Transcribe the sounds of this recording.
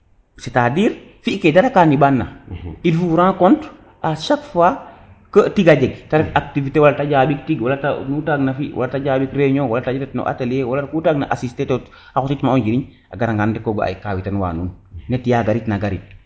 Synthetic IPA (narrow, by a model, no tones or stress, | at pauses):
setadiːɾ | fiʔkedaɾakanibanːa̰ilfuɾãːkɔnt | aʃakfa | kətiɡaɟɛɡtaɾɛkak̚tivitewalatad͡ʒaːbik̚tiɡwalatanutaɡnafiwʔa̰lataɟaːbikɾeɲowalataiɾetno̰ʔa̰teljewalatakutaɡna̰ʔasistetot | axɔsitmaɔnd͡ʒiɾiɲ | aɡaɾaŋɡandikoɡoa̰jikaːwitanwa̰ːnuːnnːetːijaɡaɾitnaɡaɾit̚